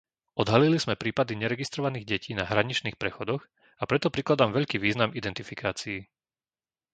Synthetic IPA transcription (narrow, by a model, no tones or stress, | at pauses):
ʔɔd̪ɦaliliz̥mɛpɾiːpad̪iɲɛɾɛɡist̪ɾɔʋaniːɣɟɛciːnaɦɾaɲit͡ʃniːxpɾɛxɔd̪ɔɣ | apɾɛt̪ɔpɾiklad̪aːmʋɛʎkiːʋiːznamid̪ɛnt̪ifikaːt͡siː